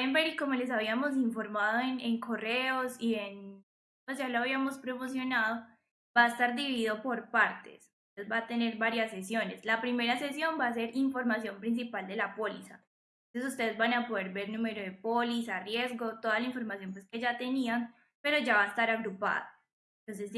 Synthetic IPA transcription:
eembeɾiko̞mo̞le̞s̬aβ̞iamo̞s̬iɱfo̞ɾmaðo̞eneŋko̞reosie̞n | pwesd͡ʒaloaβiamo̞spɾomos̬jo̞naðo | baest̪aɾd̪iβiiðo̞po̞ɾpaɾt̪e̞̰sut̪eðezbat̪e̞ne̞ɾbaɾjasːesjo̞ne̞slapɾime̞ɾase̞sjo̞mbaːse̞ɾiɱfo̞ɾmasjo̞mpɾins̬ipald̪e̞lapo̞lisa̰ | oses̬ust̪e̞ðezbanapo̞ðe̞ɾbe̞ɾnume̞ɾo̞ðe̞polisarje̞zɡo̞t̪oðalaiɱfo̞ɾmasjo̞npwe̞ske̞d͡ʒat̪e̞nian | pe̞ɾo̞d͡ʒaβaest̪aɾaɣɾupa̰ða̰ | nt̪o̞ns̬e̞s

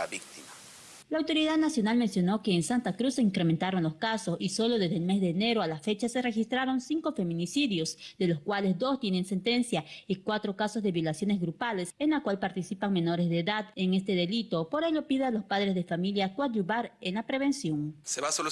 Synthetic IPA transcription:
aβik̚t̪ima | laːwt̪o̞ɾiðaðnasjo̞nalme̞nsjo̞no̞ke̞ːnsant̪akɾusːeiŋkɾement̪aɾo̞nlo̞skaso̞siso̞lo̞ðe̞zðelme̞zðe̞ːne̞ɾoalafe̞t͡ʃase̞re̞xist̪ɾaɾo̞nsiŋko̞fe̞mĩnisiðjo̞sd̪e̞lo̞skwale̞zd̪o̞st̪je̞ne̞nse̞nt̪e̞nsjaikwat̪ɾo̞kaso̞zðe̞βjo̞lasjo̞nezɣɾupale̞senlakwalpaɾt̪isipaŋme̞no̞ɾezðeːðaðeŋe̞st̪e̞ðe̞lit̪o̞po̞ɾe̞ʎo̞piðealo̞spaðɾe̞zðefamiljakwaʎuβaɾenlapɾeβe̞nsjo̞ŋseβasol

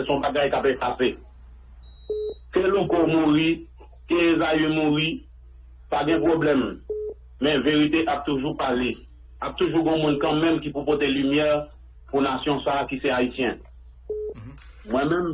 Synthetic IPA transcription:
ɛsɔ̃baɡajkapefase | kelokɔmuʁi | keezajemuʁi | paɡɛ̃pʁoblɛmː | ɛ̃veʁit̪eʔap̚t̪uʒupale | ap̚t̪uʒuɡɔ̃mũnkãmɛ̃mkipupɔt̪elymjɛʁ | punasjɔ̃sakisɛaisjɛ̃ | mwɛ̃mɛ̃m

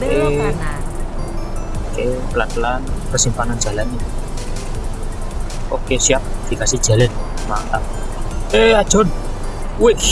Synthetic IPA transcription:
ke | kepəlat̪əlanpərsimpanan̥d͡ʒ̥a̤lani | okesiap̚d̪̥i̤kasid̥ʒ̥a̤lɛnmat̪a | eḁʒ̥ɔn | we

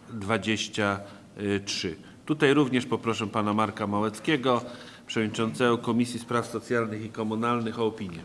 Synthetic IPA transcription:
d̪vad͡ʑeɕt͡ɕa | tʂɘ | t̪ut̪ajɾuvɲɛʂpɔpɾɔʂɛpanamaɾkamawɛt̪skʲɛɡɔ | pʂɛvɔvdɲit͡ʂɔnt̪sɛɡɔkɔmʲisʲjispɾafsɔt̪sʲjalnɘxikɔmunalnɘxɔːpʲiɲjɛ

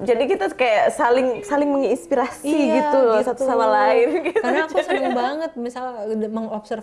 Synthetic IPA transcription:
d͡ʒadikit̪akajaʔsalɪŋsalɪŋməŋinspiɾasiɡit̪usat̪usamalaɪnɡit̪unad͡ʒadbaŋət̪̚misalməŋɔbsər

